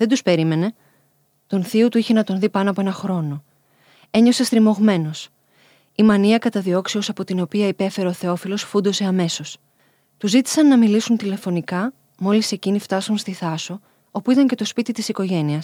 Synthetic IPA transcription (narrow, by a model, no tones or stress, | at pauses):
ðend̪uspe̞ɾime̞ne̞ | t̪onθiut̪uiçe̞nɐt̪o̞nðipɐnoɐpoenɐxɾo̞no̞ | e̞ɲo̞se̞st̪ɾimo̞ɣme̞no̞s | imɐniɐkɐt̪ɐðio̞ksiosɐpo̞t̪ino̞piɐipe̞fe̞ɾe̞oθe̞o̞filo̞sfund̪o̞se̞ɐme̞so̞s | t̪uzit̪i̥sɐnːɐmilisunt̪ile̞fo̞nikɐ | mo̞lise̞cinift̪ɐsunst̪iθɐso̞ | o̞puit̪ɐɲce̞t̪o̞spit̪it̪isiko̞ʝe̞niɐs